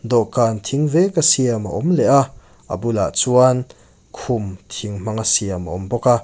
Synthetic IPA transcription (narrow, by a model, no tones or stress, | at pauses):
d̪ɔkaːnt̪ʰiŋvɛkasiɐma̰ʔɔmlɛʔa | a̰bula̰ʔt͡suan | kʰumt̪ʰiŋm̥aŋasiɐma̰ɔmbɔka